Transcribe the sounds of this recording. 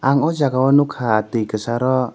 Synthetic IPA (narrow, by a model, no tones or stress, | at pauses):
aŋɔd͡ʒaɡaɔnukʰat̪ikəsaɾɔ